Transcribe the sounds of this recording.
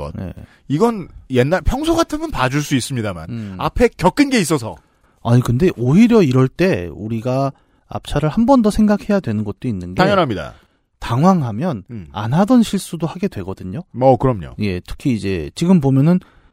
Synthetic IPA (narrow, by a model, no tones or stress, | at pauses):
ʌ̰je̞̰ | iɡʌnjenːaɭpʰjʌŋsʰoɡatʰɯmɯnpad͡ʑuɭs͈uis͈ɯmɲidama̰na̰pʰe̞kjʌk͈ɯnɡe̞is̬͈ʌsʰʌ | aɲikɯnde̞ʔoiɾjʌiɾʌɭt͈e̞uɾiɡa | a̰p̚t͡ɕʰaɾɯɭhambʌndʌsʰe̞ŋɡakhe̞jadwe̞nɯnɡʌt̚t͈oinːɯnɡeaŋjʌnɦamɲida̰ | taŋwaŋɦamjʌna̰nɦadʌnɕʰiɭs͈udohaɡe̞dwe̞ɡʌdɯɲoʌkɯɾʌmɲo̰je̞tʰɯ̥kʰiːd͡ʑe̞t͡ɕiɡɯmbomjʌnɯn